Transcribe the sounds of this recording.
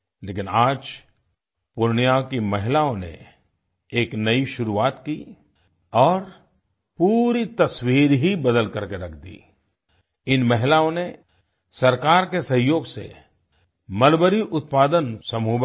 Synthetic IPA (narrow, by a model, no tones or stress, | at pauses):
leːkɪnaːd͡ʒ | pʊɾɳjakimɐɦɪlaːõnḛ | eːknɐiʃʊɾuaːt̪ki | ɔːɾ | puːɾit̪ɐswiːɾɦibɐd̪əlkɐɾkeɾɐkʰd̪ḭː | ɪnmɐɦɪlaːõne | sɐɾkaːɾkesɐ̃ɦjoːɡsḛ | mɐlbəɾiʔʊt̪̚paːd̪ənsɐmuːb